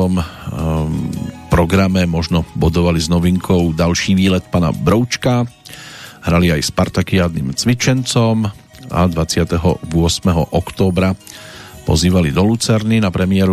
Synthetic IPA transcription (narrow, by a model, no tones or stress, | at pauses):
ɔm | pɾɔɡɾamɛmɔʒnɔbɔd̪ɔʋaliznɔʋiŋkʰɔʊd̪alʃiːʋiːlɛt̪paːna̰bɾɔʊt͡ʃka | ɦɾaliajspaɾt̪akiaːd̪niːmt͡sʋit͡ʃɛnt͡sɔm | a̰d̪ʋat͡sɪat̪ɛɦɔ̰ʋʊɔsmɛɦɔ̰ʔɔkt̪ɔːbɾa | pɔ̰ziːʋalid̪ɔlut͡sɛɾninapɾɛmɪɛɾu